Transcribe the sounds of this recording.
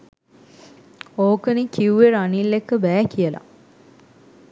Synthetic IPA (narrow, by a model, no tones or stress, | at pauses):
oːkənikiuʋeɾanilːekːəbæːkijəla̰